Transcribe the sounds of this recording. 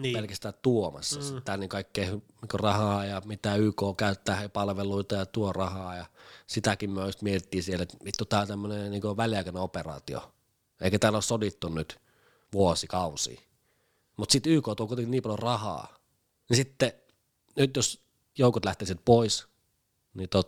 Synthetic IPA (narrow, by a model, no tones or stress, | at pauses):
pelkæst̪æːt̪uomɑ̰sːɑsit̪t̪æːlniːkkɑˑikːeːhniːkorɑhɑːjɑmit̪æːyːkoːkæyt̪ːæːhepɑlʋeluit̪ɑjɑt̪uorɑhɑːjɑsit̪ækimmyøust̪miet̪it̪ːiːsielet̪mit̪ːut̪ɑt̪æmːøneniːŋkoʋæliɑˑkæneoperɑ̰ːt̪io̰ | eˑikæt̪æːlossodit̪ːunnyt̪ | ʋuosikɑusḭː | mut̪sit̪yːkoːt̪uolkuit̪ekiniːpɑljorɑhɑ̰ː | nisit̪ːe | nyt̪jos | joukot̪læht̪eːˑsiet̪̚pois | nit̪ot̪